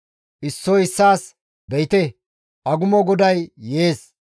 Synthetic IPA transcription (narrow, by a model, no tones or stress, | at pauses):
ʔɪsːɔɪsːaːs | bɛjɪt̪ɛ | ʔɐɡʊmɔɡɔd̪ɐjːeːs